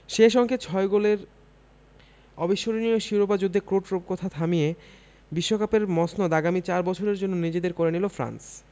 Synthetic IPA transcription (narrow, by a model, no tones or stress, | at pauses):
ʃeʃ̬ɔŋkʰet͡ɕʰɔeɡoleɾ | ɔbiʃoɾnijoʃiɾobad͡ʑud̪ʱːekɾoʈɾop̚kɔt̪ʰat̪ʰamije | biʃːokapeɾmɔsnod̪aɡamit͡ɕaɾbɔt͡ɕʰoɾeɾd͡ʑonːonid͡ʑed̪eɾkoɾenilofɾa̰ns